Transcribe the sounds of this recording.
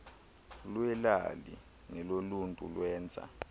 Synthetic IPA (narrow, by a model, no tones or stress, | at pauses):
lwɛla̰li | nɛloluntʼṵlwɛːnt͡sʼa̰